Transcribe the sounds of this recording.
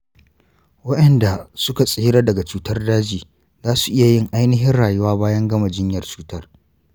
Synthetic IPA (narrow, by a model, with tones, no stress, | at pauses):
wɐ˦ɗɐ˨nda˨sʊ˦ka˨sʼeː˦ɽa˦dɐ˨ɡa˨t͡ʃuː˦tɐ˦rdaː˦d͡ʒiː˨ | zaː˦su̥˨ʔɪ˦ja˨jɪ˦ŋʔa˦jnɪ˦ɦɪ˦nɽaː˨jʊ˦waː˦baː˦jɐ˦ŋɡɐ˦ma˨d͡ʒɪ˦ɲjɐ˨rt͡ʃu̥ː˦tɐ˦r